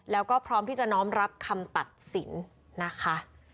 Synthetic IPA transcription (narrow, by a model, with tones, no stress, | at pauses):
lɛː˦˥wkɔː˥˩pʰɾɔː˦˥mt̪ʰiː˥˩t͡ɕa˨˩ʔnɔː˦˥mɾa˦˥p̚kʰa˧mt̪a˨˩t̪̚si˨˩˦nː | a˦˥kʰa˦˥